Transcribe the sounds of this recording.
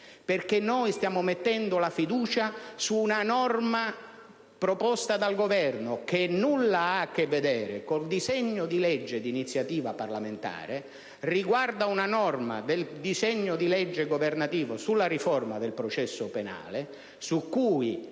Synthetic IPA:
perkenːojst̪jaːmomet̪ːɛnd̪olafid̪uːt͡ʃasuːnanɔrma | pɾopɔst̪ad̪alɡovɛrnok̟enulːaak̟ːevːed̪ɛːɾekold̪izɛɲːod̪ilɛd͡ʒːed̪init̪sːjat̪iːvaparlament̪a̰ːɾe | riɡward̪aunanɔrma̰d̪eld̪izɛɲːod̪ilɛd͡ʒːeɡovernat̪iːvosulːarifɔrmad̪elpɾot͡ʃɛsːʊpena̰ːle | sukːuːj

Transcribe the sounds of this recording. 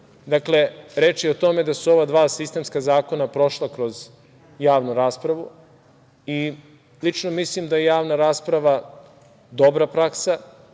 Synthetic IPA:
d̪akle̞ɾe̞ːt͡ʃjeot̪o̞me̞d̪asuo̞ʋad̪ʋaːsist̪e̞mskazaːko̞napɾo̞ʃlˠakɾo̞z | jaːʋnuɾaːspɾaʋu | i | lit͡ʃnomislimd̪ajejaːʋnaɾaːspɾaʋa | d̪o̞bɾapɾaksa

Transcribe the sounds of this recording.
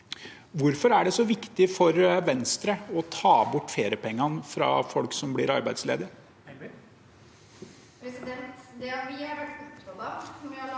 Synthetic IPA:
ʋʊɾfɔɾæɖɛsɔʋɪkt̪ɪfɔɾʋɛnst̪ɾəɔt̪ʰɑːbʊʈːfeːɾɪəpʰɛŋːɑnfɾɑ̰fɔlksɔmblɪɾɑ̰ɾbæɪd̪slḛːd̪əɾ | pɾɛsɪd̪ɛnt̪d̪ɛʋɪɑɾʋæʈ̪ːɔd̪ɑɔʋɪɑ

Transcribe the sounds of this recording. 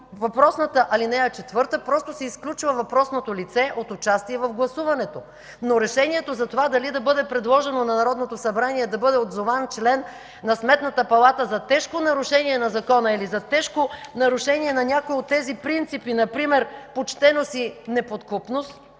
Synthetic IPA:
vɐpɾɔsnət̪əʔɐlinɛɐt͡ʃɛt̪vɤɾt̪əpɾɔst̪osɛisklʲut͡ʃvɐvɐpɾɔsnot̪olit̪sɛʔot̪ʊt͡ʃast̪iɛvɐvɡlˠɐsuvɐnɛt̪o | noɾɛʃɛniɛt̪ozɐt̪ovad̪ɐlid̪ɐbɤd̪ɛpɾɛd̪lˠɔʒɛnonɐnɐɾɔd̪not̪osɐbɾaniɛd̪ɐbɤd̪ɛod̪zovant͡ʃlɛnː | ɐsmɛt̪nɐt̪əpɐlˠat̪əzɐt̪ɛʃkonɐɾʊʃɛniɛnɐzɐkɔnəilizɐt̪ɛʃkonɐɾʊʃɛniɛnɐnʲakoiot̪ːɛzipɾint̪sipinɐpɾimɛɾpot͡ʃt̪ɛnosinɛpot̪kupnost̪

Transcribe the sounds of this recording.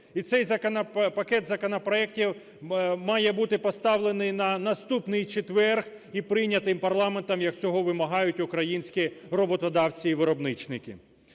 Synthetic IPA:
it̪sɛjzɐkɐnɐpɐkɛt̪zɐkɔnɐpɾɔɛk̚tʲiw | mɑjɛbut̪ɪpɔst̪ɑʋlˠenɪjnɐnɐst̪upnɪjt͡ʃet̪ʋɛrx | ipɾɪnʲːɐt̪ɪmpɐrlˠɑment̪ɐmjɐksʲɔɦɔʋɪmɐɦɑjʊtʲʊkɾɐjinʲsʲkʲirɔbɔt̪ɔd̪ɑwt͡sʲiːʋɪɾɔbnɪt͡ʃnɪkɪ̰

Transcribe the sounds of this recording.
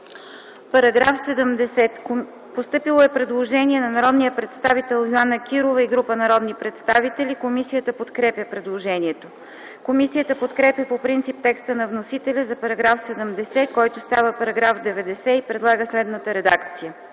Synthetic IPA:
pɐɾɐɡɾafsɛd̪əmd̪ɛsɛt̪ | post̪ɤpilˠoɛpɾɛd̪lˠoʒɛniɛnɐnɐɾɔd̪nijəpɾɛt̪st̪avit̪ɛlˠjoanək̟iɾovəiɡɾupənɐɾɔd̪nipɾɛt̪st̪avit̪ɛlʲikomisijət̪əpot̪kɾɛpjʲəpɾɛd̪lˠoʒɛniɛt̪o | komisijət̪əpot̪kɾɛpʲjəpopɾint̪sip̚t̪ɛkst̪ənɐvnosit̪ɛlʲəzɐpɐɾɐɡɾafsɛd̪əmd̪ɛsɛkɔjt̪ost̪avəpɐɾɐɡɾafd̪ɛvɛd̪ɛsɛipɾɛd̪lˠaɡəslɛd̪nət̪əɾɛd̪akt̪sijə

